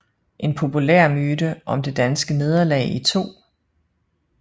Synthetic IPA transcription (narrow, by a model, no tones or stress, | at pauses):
ʔe̝npʰo̝pʰuleɐ̰myːdəʔɒ̽md̥e̝d̥ænsɡ̥əne̝ð̞ˠɐlɛ̰ːit͡sʰo̝̰ː